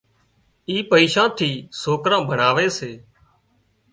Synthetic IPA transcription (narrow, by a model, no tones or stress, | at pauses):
iːpəiːʃãːt̪ʰiːsoːkɾãːbʱəɳaːʋeːseː